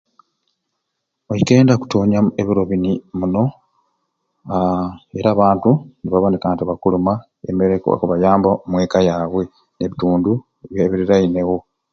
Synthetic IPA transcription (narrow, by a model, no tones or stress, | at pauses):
ojike̞ːndaku̥to̞ːɲaeβiɾo̞βinimuno̞ | e̞ɾaːβaːntuniβaβoːnikatiβakuluma | ḛmeɾeka̰kuβajaːmbamwe̞ːkajaːβwe̞ | neβituːndu | βjeβiɾiɾaine̞wo̞